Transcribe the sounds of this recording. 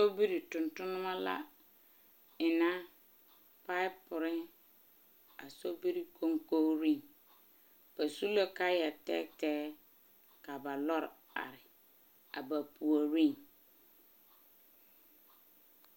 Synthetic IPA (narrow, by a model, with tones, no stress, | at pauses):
so˦bi˦ɾi˨tʊ̃˨ntʊ˦nʊ̃˦mã˦la̰˦ | ɪ˨nã˦ | pa˦ɪ˦pʰʊ˨ɾɪ˦ | a̰˨so˦bi˦ɾi˦kʰo˦ŋko˦ɾĩ˦˨n | b̥a˨su˦lɛ˦ka˦jɛ˨tɛ̰˦tɛː˦ | ka˨ba˨lɔ˦ɾ | a̰˨ɾɪ˨ | a̰˨ba˨pʰu˨a˨ɾĩ˦n